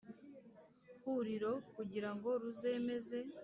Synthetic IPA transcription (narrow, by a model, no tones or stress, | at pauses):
huɾiɾo̞kuɟiɾaŋɡo̞ɾuze̞me̞ze̞